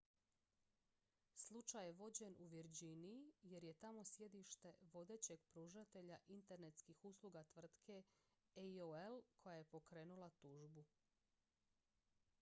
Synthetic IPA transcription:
slˠut͡ʃajeʋo̞d͡ʑe̞nuʋiɾd͡ʑiniije̞ɾje̞t̪amo̞sje̞d̪iʃt̪e̞ʋo̞d̪e̞ːt͡ɕe̞ɡpɾuːʒat̪e̞ʎaʔint̪e̞ɾnet̪skixuslˠuɡat̪ʋr̩t̪kʰe̞ | eioelkʰo̞jaje̞po̞kɾe̞ːnulˠat̪uːʒbu

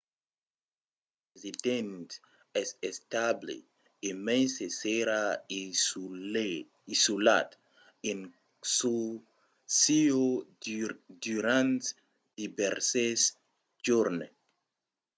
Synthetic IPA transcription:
ezid̪ẽnt̪ | ɛsest̪ablḭ | imẽnseseɾa | isula̰t̪ | in | su | sio | d̪uɾãnt̪ | d̪̥ibɛɾses | d͡ʒuɾne

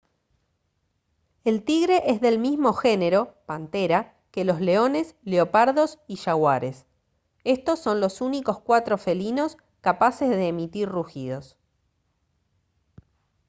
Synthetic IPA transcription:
elt̪iɣɾe̞ʔezðe̞lmizmo̞xene̞ɾo̞pant̪eɾa | ke̞lo̞zle̞o̞ne̞sleopaɾðo̞siʃaɣwaɾe̞s | e̞st̪o̞sːo̞nlosuniko̞skwat̪ɾo̞fe̞lino̞s | kapase̞zðeːmit̪iɾruxið̞o̞s

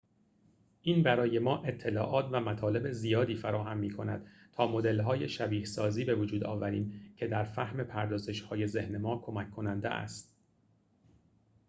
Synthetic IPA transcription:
ʔiːnbæɾɒːje̞mɒːʔe̞t̪ʰːe̞lɒːʔɒːt̪ʰvæmæt̪ʰɒːle̞be̞zijɒːd̪iːfæɾɒːɦæmːiːkʰo̞næd̪̥̚ | t̪ʰɒːmo̞d̪e̞lɦɒːje̞ʃæbiːhsɒːziːbe̞vod͡ʒuːd̪ɒ̰ːvæɾiːmcʰe̞d̪æɾfæhme̞pʰæɾd̪ɒːze̞ʃhɒːje̞ze̞hne̞mɒːkʰo̞mækʰːo̞nænd̪ḛʔæ̰st̪̚

